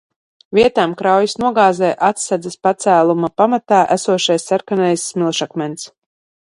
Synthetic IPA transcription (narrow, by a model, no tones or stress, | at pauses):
vʲiɛt̪aːmkɾawjisnuɔɡaːzɛjʔat̪sad̪zɐspat̪sæːlˠumapamat̪aːʔæsuɔʃajsːaɾkanɛjsːmilˠʃakmʲɛns